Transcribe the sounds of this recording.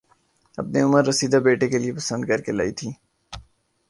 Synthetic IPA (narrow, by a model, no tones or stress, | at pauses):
ɐpneʊməɾːɐsiːd̪abeːʈekeliepɐsə̃nd̪kɐɾkela̰ːit̪ʰiː